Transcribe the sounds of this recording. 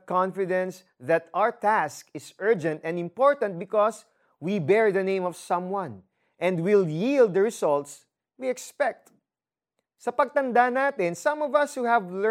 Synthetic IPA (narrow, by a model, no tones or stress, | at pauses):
kãnfɪd̪ɛ̃ns | ðɐt̪awəɹt̪æskɪsɜ˞d͡ʒɛ̃nt̪ɛ̃nd̪ɪ̃mpɔɹt̪ɐ̃nt̪̚bɪkɔs | wibɛɹðɐnẽɪ̃mɔv̥sʌ̃mwɐ̃n | ʔɛ̃nd̪wɪljild̪̚ːəɹɪsɔlt̪s | wiɛkspɛk̚t̪ | sɐpɐɡ̚t̪ɐ̃nd̪anat̪ɛ̃nsʌ̃mɔvɐshuhævl